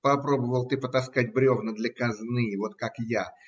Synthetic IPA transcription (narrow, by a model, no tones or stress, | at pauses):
pɐpɾo̞bəvəlˠt̪ɨpət̪ɐskatʲbɾʲovnəd̪lʲɐkɐznɨjəvo̞t̪kakja